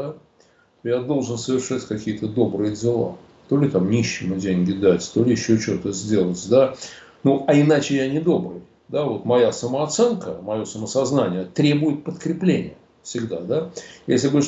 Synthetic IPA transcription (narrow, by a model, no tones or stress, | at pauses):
a | t̪ojad̪o̞lˠʐɨnsəvʲɪrʂatʲkɐkʲijət̪əd̪o̞bɾɨjədʲɪlˠa̰ | t̪o̞lʲɪt̪amnʲiɕːɪmədʲenʲɡʲɪd̪atʲt̪o̞lʲɪjɪɕːot͡ɕot̪əzʲdʲe̞lˠətʲd̪anuɐɪnat͡ɕɪjanʲɪd̪o̞bɾɨj | d̪avo̞t̪mɐjasəməɐt̪sɛnkəmɐjo̞səməsɐznanʲɪjət̪ɾʲe̞bʊjɪt̪̚pət̪kɾʲɪplʲenʲɪ̰jə | fsʲɪɡd̪ad̪ajesʲlʲɪbɨ